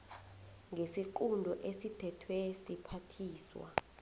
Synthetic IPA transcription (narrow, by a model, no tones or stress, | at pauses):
ŋɡʱesiǃundʱɔʔesitʰɛtʰwesipʰatʰiːswa̰